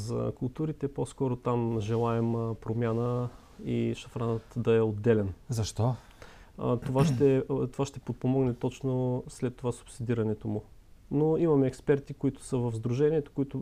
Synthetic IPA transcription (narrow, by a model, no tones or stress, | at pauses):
zɐ̰kʊlˠt̪uɾit̪ɛposkɔɾot̪amʒɛlˠaɛmpɾomʲjanə | ḭʃɐfɾanət̪d̪ɐɛod̪ːɛlɛnzɐʃt̪ɔ | t̪ovaʃt̪ɛt̪ovaʃt̪ɛpot̪̚pomɔɡnɛt̪ɔt͡ʃnoslɛt̪ːovasʊ̥psid̪iɾɐnɛt̪omʊnoimɐmɛɛkspɛɾt̪ikʊit̪ʊ̥səvəvzd̪ɾuʒɛniɛt̪o̥koit̪ʊ